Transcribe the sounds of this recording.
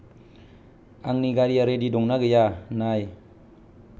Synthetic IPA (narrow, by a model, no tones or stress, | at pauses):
aŋniɡaɾiaɾedidɔŋnaɡəjanaj